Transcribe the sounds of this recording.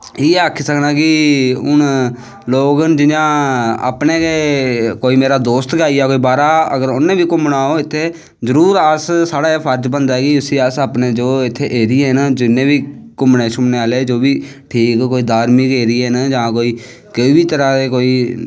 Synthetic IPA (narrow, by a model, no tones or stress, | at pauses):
iːeaːkʰiːsəknaːkɪʊn | loːɡnd͡ʒɪɲãːa̰ːpneːkeːkoːiːmeːɾaːd̪oːst̪ɡaːijaːkoːiːbaːɾaːəɡəɾʊnːẽːʋiːkʊmnaːoːɪt̪ʰːeː | zəɾuːɾəssaːɽaːeːpʰəɾd͡ʒbənd̪aːɛːkɪʊsiːəsaːpneːd͡ʒoːɪt̪ʰːeːʔeːɾiːeːɦnd͡ʒɪnːẽːʋiːkʊmneːt͡ʃʰʊmneːaːleːd͡ʒoːbiː | ʈʰiːkːoːiːd̪aːɾmiːkeːɾɪːɛːnd͡ʒãːkoːiː | kɪiːbiːt̪əɾãːd̪eːkoːiː